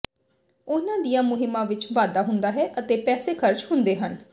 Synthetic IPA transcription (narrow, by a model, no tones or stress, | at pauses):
ʊnãːd̪ijãːmʊɦɪmːãːʋɪt͡ʃʋaːd̪aːɦʊnd̪aːɦɛːʔət̪eːpɛːseːkʰəɾt͡ʃhʊnd̪eːɦən